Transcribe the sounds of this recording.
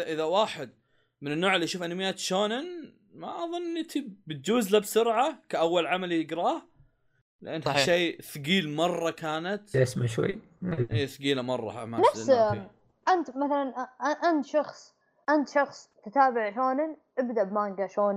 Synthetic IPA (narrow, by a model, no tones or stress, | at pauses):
ʔɪðawaːħɪd̪̚ | mɪnɪnːoːʕɪlːiʔʃuːfʔanamɪjːaːt̪ʃoːnɪn | maʔɑðˤʊnːʔɪnɪt̪ʰibɪt̪̚d͡ʒuːzlabsʊɾʕakaʔawːalʕamalijɪɡɾɑːh | lɪʔanːhaʃeːθʊɡiːlmɑrˤːɑkaːnat̪ʔɪsmaʃwa̰j | maʔeːθʊɡiːlamɑrˤːɑ̰ha̰manafs | ʔant̪maθalanʔant̪ʃɑxsˤ | ʔant̪ʃɑxsˤt̪ɪt̪aːbɪʕʃoːnɪnʔɪbd̪aʔbmaːŋɡaʃoːn